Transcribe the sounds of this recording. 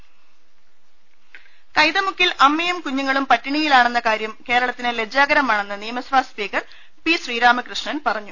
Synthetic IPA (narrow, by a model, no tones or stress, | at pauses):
kɐjðɐmukːilʔɐmːɐjumkuɲːuŋːɐɭumpɐtːiɳijilaːɳe̞nːɐkaːɾjɐmke̞ːɾɐɭɐt̪ːinɨle̞d͡ʑːaːɡɐɾɐmaːɳe̞nːɨnijɐmɐsʋaːspiːkɐr | piɕriːɾaːmɨkrɨʂɳɐnpɐrɐɲːu